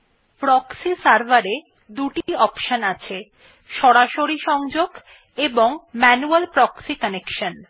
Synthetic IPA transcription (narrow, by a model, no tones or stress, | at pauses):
pɾɔksisaɾbaɾe | d̪uʈiɔpʃənat͡ɕʰe | ʃɔɽaʃoɾiʃɔŋd͡ʑoɡ | eboŋmɛnualpɾɔksikənekʃən